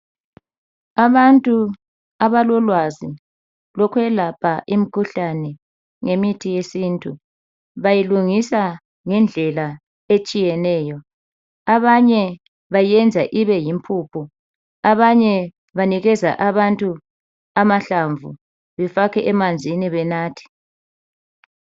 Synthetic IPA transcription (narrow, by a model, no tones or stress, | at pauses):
aβantʼu | aβalɔlwazi | lɔkʰwɛlapʰaʔim̩kʰuɬanɛ | ŋemitʰijesiːntʼu | βajiluŋisa | ŋɛnd͡ɮʱɛla | et͡ʃʼijɛnɛːjɔ | aβaɲɛ | βajiɛnd͡zʱaʔiβɛjimpʰuːpʰu | aβaɲɛ | βaniɣɛza̰ʔaβantʼu | amaɬaɱvʱṵ | βɛfakʰɛʔɛmand͡zʱiniβɛnaːtʰi̥